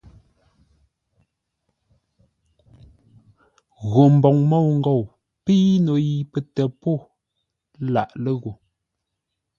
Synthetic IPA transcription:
ɣo˨m̩˨bɔ˨ŋmo˦˨wŋ̩˦ɡo˨w | piː˦no˨ji˨pə˨tɛ˨po˦˨˦ | la̰˨ʔlə˦ɣo˨

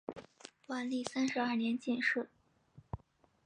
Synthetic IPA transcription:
wa˧˥nli˥˩sa˥nʂɻ̩˧˥a˥˩njɛ˧˥nt͡ɕi˥˧nʂɻ̩˥˩

